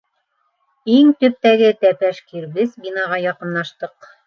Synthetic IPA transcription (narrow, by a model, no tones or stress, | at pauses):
iŋt̪ɵ̆p̚t̪æɡɘt̪æpæʃkiɾβɘzbin̪ɑʁɑjɑqɤ̆nlˠɑʃt̪ɤq